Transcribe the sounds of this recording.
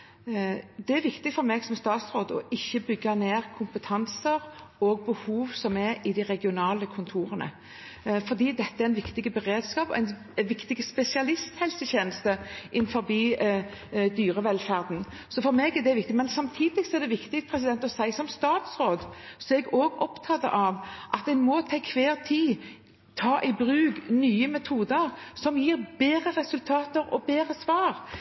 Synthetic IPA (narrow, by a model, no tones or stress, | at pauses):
d̪ɛæɾʋɪkt̪ɪɡfɔɾmeːɡsɔmst̪ɑːt̪sɾoːd̪ɔ̰ʔɪçːəbʏɡːɑneːɾkʰʊmpət̪ʰɑnsəɾɔɡ̚bəhuːʋsɔmɛɾɪd̪ɪʁɛɡɪʊnɑːləkʰʊnt̪ʰuːɾənə̰ | fɔd̪iːd̪ɛt̪ːəæɾæɪnʋɪkt̪ɪɡəbəʁeːd̪skɑːpɔʔæɪn | ʋɪkt̪ɪɡspɛsɪɑlɪst̪hɛlsəçeːnəst̪əʔɪnfɔɾbiː | d̪yːɾəʋɛlfæːʁd̪n̩ | sɔfɔɾmeːɡɛʁd̪ɛʋɪk̚t̪ɪmɛnsɑmt̪ʰiːd̪ɪɡsɔɛʁd̪ɛʋɪkt̪ɪkt̪pʰɾɛs̬ɪd̪ɛnt̪ɔsæɪsɔmst̪ɑːt̪sʁoːd̪sɔɛɡoːɡɔpt̪ʰɑt̪ːə̰ʔɑʋʔɑt̪̚ɛnmɔt̪ʰɛkʰʋeːʁt̪ʰiː | t̪ʰɑːʔɪbɾʉːɡnyːəmɛt̪ʰuːd̪əɾsɔmjiːɾbeːɾəʁɛsʉlt̪ʰɑːt̪əɾɔ̰beːɾəsʋɑːɾ